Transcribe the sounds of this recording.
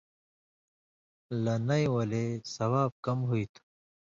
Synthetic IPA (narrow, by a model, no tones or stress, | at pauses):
lɐnɐjwɐlesɐwaːb̚kɐmɦuit̪ʰu̥